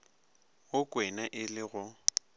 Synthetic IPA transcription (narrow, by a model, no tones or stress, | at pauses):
ʊkʼwɛnaʔɪlɪɣʊ